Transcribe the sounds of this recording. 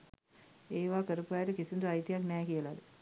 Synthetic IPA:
eːʋaːkəɾupajːɾəkisund̪uajt̪ijaknɛːkijəlad̪ə

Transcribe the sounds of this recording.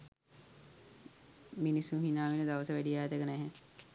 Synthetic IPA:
minisːũːɦinaːʋiləd̪aʋəsəʋæɖiaːt̪əkənæɦe

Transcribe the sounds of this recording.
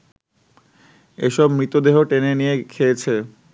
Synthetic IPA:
eʃɔbmɾit̪od̪eɦoʈenenijekʰeet͡ɕʰe

